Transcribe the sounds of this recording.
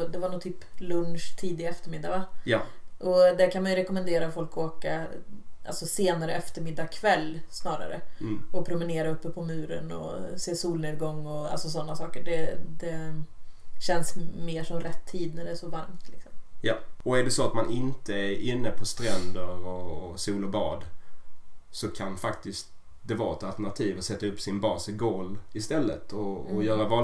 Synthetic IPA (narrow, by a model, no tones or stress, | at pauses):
d̪ɛvaɳuːt̪ʰyːplɵnʂt̪ʰiːd̪ɪɡaɛft̪əɾmɪd̪ːavajʔɔd̪æɾkʰanmajɵɾɛkɔmənd̪eːɾafɔlkoːkaʔa̰lsɔseːnaɾəɛft̪əɾmɪd̪ːakʰvɛlːsnɑːɾa̰ɾə̰ɔpʰɾʊmɪneːɾaɵpːəpʰɔmʉ̟ːɾə̰nɔ̰seːsuːlneːd̪̚ɡɔŋːɔa̰lsɔsɔnːasɑːkəɖɛd̪ɛ | ɕɛnsmeːʂɔmɾɛt̪ʰːiːd̪næɖɛæʂɔvaɾmt̪ʰlɪksɔmjɑːɔæɖɛsɔat̪manʔɪnt̪əæɾɪnːəpʰɔst̪ɾɛnd̪əɾɔsuːlɔbɑːd̪ | sɔkʰanfak̚t̪ɪst̪̚ | d̪ɛvɑːɾɛt̪alt̪ənɳat̪ʰiːvəsɛt̪ːaɵpːsɪnbɑːsɪɡoːlɪst̪ɛlːə̰t̪ʰɔːjœːɾavɑː